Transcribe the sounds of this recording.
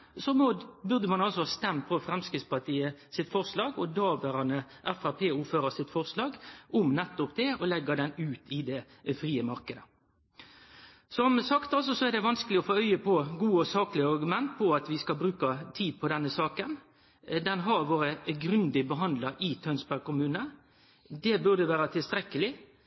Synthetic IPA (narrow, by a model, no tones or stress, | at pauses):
sɔmɔbʉɾd̪əmɑnɑlsɔst̪ɛmpʰɔfɾɛmskɪspɑt̪ʰiːəsɪt̪fɔɾslɑːɡɔd̪ɑːʋəɾɑnəʔɛfæpʰeːuːføːɾɑsɪt̪fɔɾslɑːɡʔʊmnɛt̪ːʊp̚d̪ɛɔlɛɡːəd̪ɛnʉːt̪ʰɪd̪ɛ | fɾiːəmɑɾkəd̪ə | sɔmsɑkt̪ɑls̬ɔsɔɛd̪ɛʋɑnskəlɪɔfoːœʏəpʰɔɡuːɔsɑːklɪəɑɾɡʉmɛnt̪̚pʰɔɑt̪ʋɪskɑlbɾʉːkɑt̪ʰiːd̪̚pʰɔd̪ɛnːəsɑːkən | d̪ɛnɦɑɾʋoːɾəɡɾʉnd̪ɪbəɦɑnd̪ləɾɪt̪ʰœnsbæɡkʊmʉːnə | d̪ɛbʉʁd̪əʋæːɾət̪ʰɪlst̪ɾɛkːəlɪ